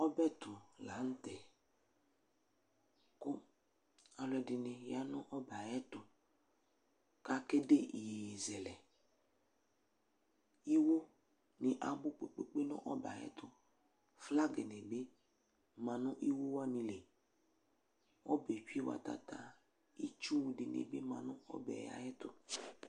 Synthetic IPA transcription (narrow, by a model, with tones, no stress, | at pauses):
ɔ˦bɛ˦t̪ʊ˨la˨˦n̩˦tɛ˨ | kʊ˦ | a˨lɛ˨dɪ˨nɪ̃˨ja˦nʊ̃˦ʔɔ˦ba˨jɛ˦t̪ʊ˨ | ka˦kɛ˦de˦ʔi˨jzɛ˨lɛ˨ | i˦wo˦ | nɪ˨ʔa˨bʊ˦k͡pe˨k͡pe˦k͡pe˦nɔ̰̃˦ʔɔ˦ba̰˨jɛ̰˦t̪ʊ˨ | fla˦ɡɛ˨nɛ˨be˦ | mã˨nʊ̃˦ʔi˦wo˦wa˦nĩ˧le˨ | ɔ̰˦bɛ˨t͡ʃi˦wa̰˨ta̰˨ta˨ | i˦t͡ʃu˦˨dɪ˨nɪ̰˨bɪ˦mã̰˨nʊ̃˦ɔ̰˦bɛ̰˨ja̰˨jɛ˦tʊ˧